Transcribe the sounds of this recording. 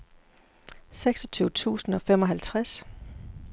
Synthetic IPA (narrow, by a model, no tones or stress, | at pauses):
seɡ̥sɒ̥t͡sʰyːʊt͡sʰṵːsn̩ɒ̽fem̰ɒ̽ɦælt͡sʰʁas